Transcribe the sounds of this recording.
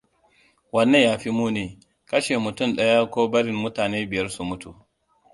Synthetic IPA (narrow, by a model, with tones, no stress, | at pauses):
wɐ˦nːe˦˨jaː˦ɸi˦muː˦neː˨ | kɐ˦ʃe˨mʊ˨tʊ˦˨mɗɐ˦ja˦kʷoː˦bɐ˦ɽɪ˨mmʊ˦taː˨neː˦bɪ˨jɐ˦rsu˨mʊ˦tʰu˨